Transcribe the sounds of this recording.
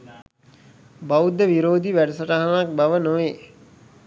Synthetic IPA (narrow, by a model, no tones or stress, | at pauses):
baud̪ːəʋiɾoːd̪iʋæɖəsəʈaɦanak̚baʋənoʋeː